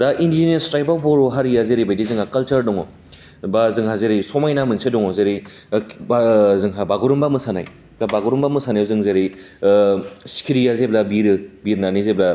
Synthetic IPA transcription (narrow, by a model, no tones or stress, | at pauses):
daʔindiinestɾajbaboɾuɦaɾijazeɾibajdizɯŋhakɐlt͡ʃɐɾdɔŋɔ | bazɯŋɦazeɾisɔmajnamɯnsedɔŋɔzeɾi | bzɯŋɦabaɡuɾumbamɯsana̰j | dabaɡuɾumbamɯsanajɔzɯŋzeɾi | skʰiɾijazeblabiɾɯbiɾnanizebla